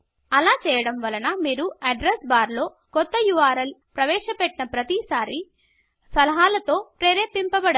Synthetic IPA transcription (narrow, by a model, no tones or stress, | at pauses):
ɐlaːt͡ʃɛːjɐɽɐmʋɐlɐnɐmiːɾuɐɖɾesbaːɾlo̞ː | kɔt̪ːɐjuʋaːɾɐlpɾɐʋɛːʃɐpɛʈːinɐpɾɐt̪isaːɾi | sɐlɐɦaːlɐt̪o̞ːpɾeːɾeːpːimpɐbɐɽ